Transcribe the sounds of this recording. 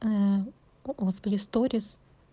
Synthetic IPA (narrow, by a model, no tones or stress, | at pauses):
oːsbʲlʲist̪oːɾʲɪs